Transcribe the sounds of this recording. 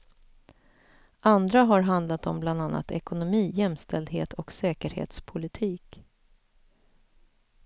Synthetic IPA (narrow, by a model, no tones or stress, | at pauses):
ʔand̪ɾaɦaɾɦand̪lat̪ɔmbland̪anːa̰t̪ɛ̰kʊnʊmiːjɛmst̪ʰɛld̪ɦeːt̪ʰɔksɛːkəɾhḛːt̪spʰʊlɪt̪ʰiːk